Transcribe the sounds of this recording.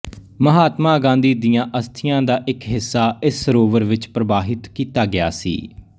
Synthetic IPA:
məɦaːt̪mãːɡãːnd̪iːd̪ijãːʔəst̪ʰɪjãːd̪aːʔɪkɦɪsːaːɪsːəɾoːʋəɾʋɪt͡ʃpɾəbaːɦɪt̪kiːt̪aːɡɪa̰ːsḭː

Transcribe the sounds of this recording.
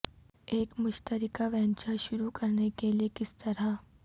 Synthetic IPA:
eːkmʊʃt̪əɾɪkaʋɛɦnt͡ʃaʃʊɾukɐɾnekeliekɪst̪ɐɾa

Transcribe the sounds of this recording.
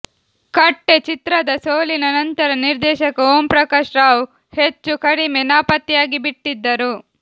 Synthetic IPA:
kɐʈːet͡ʃit̪ɾɐd̪ɐsoːlinɐnɐnt̪ɐɾɐniɾd̪ɛːʃɐkɐoːmpɾɐkɐʃɾaːw | het͡ʃːukɐɽimenaːpɐt̪ːjaːɡibiʈːid̪ːɐɾu

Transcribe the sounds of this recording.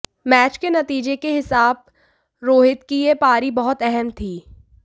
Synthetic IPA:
mɛːt͡ʃkenɐt̪iːd͡ʒekeɦɪsaːb̚ | ɾoːɦɪt̪̚kiepaːɾibɐɦʊt̪ɛɦɛmt̪ʰiː

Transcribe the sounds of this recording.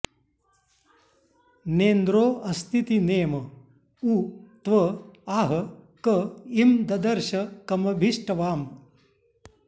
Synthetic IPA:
neːnd̪ɾoːʔɐst̪ʰit̪ineːmɐ | ut̪ʋɐaːɦɐkɐimd̪ɐd̪ɐɾʃɐkɐmɐbʱiʂʈɐʋaːm

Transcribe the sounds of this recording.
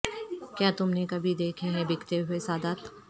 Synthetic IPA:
kjaːt̪ʊmnekɐbʱid̪eːkʰeɦɛ̃bɪkʰt̪eɦʊesaːd̪aːt̪

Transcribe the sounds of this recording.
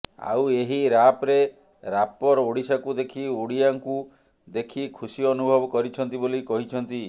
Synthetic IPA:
a̰weɦiɾapɾe | ɾapɔɾoɽisakud̪ekʰioɽijaŋku | d̪ekʰikʰusiɔnubʱɔbɔkɔɾit͡ʃʰɔnt̪ibolikɔɦit͡ʃʰɔnt̪i

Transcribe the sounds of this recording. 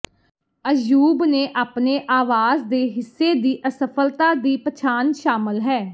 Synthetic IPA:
əjuːbneːʔaːpneːʔaːʋaːzd̪eːɦɪsːeːd̪iːʔəsəpʰəlt̪aːd̪iːpət͡ʃʰaːnʃaːməlɦɛː

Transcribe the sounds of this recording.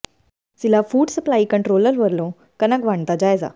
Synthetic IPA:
silafuːɽsəplaiːkəɳʈɾoləɾʋəɾlõ | kənakʋaɳt̪ad͡ʑajd͡za̰

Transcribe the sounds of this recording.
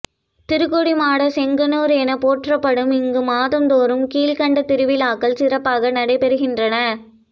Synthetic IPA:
t̪ɪɾɯkːɔɽimaːɽɐsɛŋɡɐnoːɾeːnɐpoːʈrɐpːɐɽɯmɪŋɡɯmaːðɯmd̪oːɾɯmkiːlkɐɳɖɐt̪ɪɾɯʋɪlaːkɐlsɪɾɐpːaːɣɐnɐɽɐɪpɛɾɯɣɪndrɐnɐ

